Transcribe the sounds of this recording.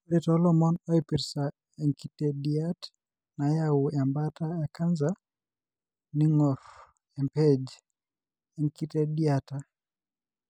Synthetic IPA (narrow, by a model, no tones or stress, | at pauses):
ɾɛtɔlɔmɔnɔipiɾsa | ɛŋkitɛdiat | najauambatajakanza | niŋɔf | ɛmpɛd͡ʒ | ɛŋkitɛdiata